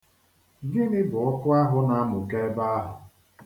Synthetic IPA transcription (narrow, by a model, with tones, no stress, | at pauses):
ɡɪ˦nɪ˦bʊ˨ɔ˦kʊ˦a˦ɦʊ˦na˨a˦mʊ˨ke˦ba˦a˦ɦʊ̰˨